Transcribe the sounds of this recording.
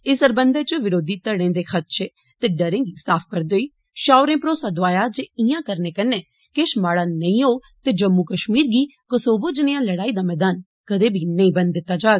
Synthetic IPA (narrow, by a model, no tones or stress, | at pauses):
ɪsəɾbənd̪eːt͡ʃəʋɪɾoːd̪iːt̪əɽẽːd̪eːkʰət̪ʃeː | t̪eːɖəɾɪ̃ːɡiːsaːpʰkəɾd̪oːiː | ʃaːʊɾẽːpɾoːsaːd̪oaːjaːd͡ʒeːijãːkəɾneːkənːeː | keʃmaːɽaːnəĩːɦoː | t̪eːd͡ʒəmːuːkəʃmiːɾɡiːkəsoːbod͡ʒneːãːləɽaːiːd̪aːmɛːd̪aːn | kəd̪eːbʱiːnəĩːbənd̪d̪ɪt̪ːaːd͡ʒaːɡ